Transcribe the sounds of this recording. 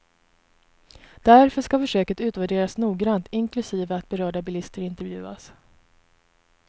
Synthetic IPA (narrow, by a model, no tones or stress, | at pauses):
d̪̥æɾfœʂkafœʂøːkət̪ʉ̟ːt̪væɖeːɾasnuːɡɾant̪ɪŋklɵsiːvəat̪̚bɛɾœːɖabɪlɪst̪əɾɪnt̪ɛɾvjʉ̟̰ːa̰s